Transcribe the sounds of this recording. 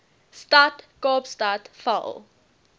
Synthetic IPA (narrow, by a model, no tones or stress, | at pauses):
statkɔpstatfa̰l